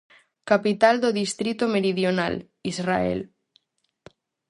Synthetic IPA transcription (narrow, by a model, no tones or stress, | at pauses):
kapit̪ald̪oðist̪ɾit̪omeɾiðjona̰l | izra̰ḛl